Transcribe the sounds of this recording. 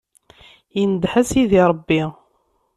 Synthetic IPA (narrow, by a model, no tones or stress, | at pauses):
jənd̪ħæsiðiɾˤəbːi